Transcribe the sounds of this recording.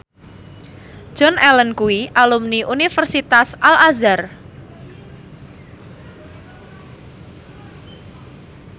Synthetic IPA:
ʒ̥ɔnʔɛlənkuwiʔalumniʔunifərsit̪asʔalazar

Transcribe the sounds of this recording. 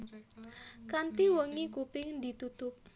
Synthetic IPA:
kant̪iwəŋikupɪŋd̪i̤t̪ut̪ʊp̚

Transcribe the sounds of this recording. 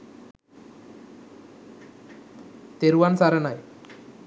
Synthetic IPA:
t̪eɾuʋansaɾɐnaj

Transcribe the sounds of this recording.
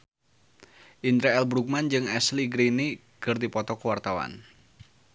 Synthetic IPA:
ʔind̪ɾaɛlbɾuk̚mand͡ʒɨŋɛsliɡɾini | kɨrdipɔt̪ɔkəwart̪awa̰n

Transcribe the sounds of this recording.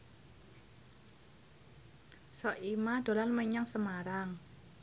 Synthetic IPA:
sɔʔimad̪̥o̤lanməɲaŋsəmaɾaŋ

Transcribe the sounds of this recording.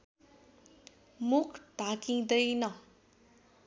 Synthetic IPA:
mukʰd̪̥ʱakĩd̪ʌjnʌ

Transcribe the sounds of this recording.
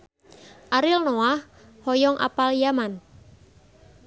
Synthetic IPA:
ʔaɾɪlnoah | hɔjɔŋʔa̰paljaman

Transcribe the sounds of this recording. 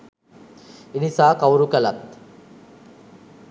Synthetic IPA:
inisaːkawuɾukɐlɐt̪

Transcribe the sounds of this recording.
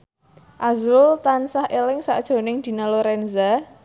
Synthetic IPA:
ʔazɾʊlt̪ansahʔelɪŋsaʔd̥ʒ̥o̤nɪŋd̪̥i̤naloɾɛnza

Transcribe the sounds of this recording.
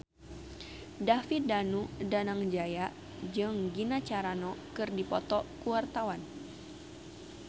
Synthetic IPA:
dafit̪̚danudanaŋd͡ʒajaʔ | d͡ʒɨŋɡinat͡ʃaɾanɔkɨrdipɔt̪ɔkuwart̪awan

